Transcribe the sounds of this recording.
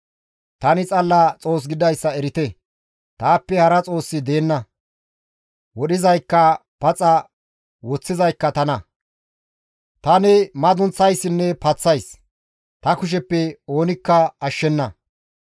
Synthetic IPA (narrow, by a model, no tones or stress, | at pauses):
t̪ɐnɪt͡sʼɐlːɐt͡sʼo̞ːs̬ɡɪd̪ɐjsːɐɛɾɪt̪ɛ | t̪aːpːɛhɐɾɐt͡sʼo̞ːsːɪd̪e̞ːnːɐ | wɔɗɪzɐjkːɐpɐt͡sʼɐ | wɔt͡sːɪzɐjkːɐt̪ɐnɐ | t̪ɐnɪmɐd̪ʊnt͡sːɐjsːɪnːɛpɐt͡sːɐjs | t̪ɐkʊʃ̬ɛpːɛo̞ːnɪkːɐɐʃːɛnːɐ